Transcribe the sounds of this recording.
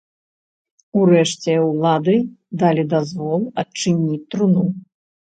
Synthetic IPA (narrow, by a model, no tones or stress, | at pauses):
uɾɛʂt͡sʲɛwlˠad̪ɨd̪alʲid̪azvɔlˠɐt͡ʂɨnʲit͡sʲt̪ɾunu